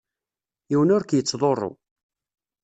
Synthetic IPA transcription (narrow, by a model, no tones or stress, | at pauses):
iwənʊɾkjət͡sːðˤorˤːo̰